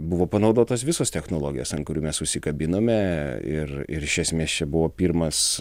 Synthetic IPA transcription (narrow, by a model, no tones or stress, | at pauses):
buʋoːpɐnɐʊd̪oːt̪oːsʋʲɪsoːst̪ʲɛxnoːlˠoːɡʲɪjoːsɐnkʊɾʲuːmʲɛsʊʃʲsʲɪkɐbʲɪnoːmʲɛɪ̰rɪ̰ɾɪʃʲɛsʲmʲeːst͡ʃʲɛbʊʋoːpʲiːɾmɐs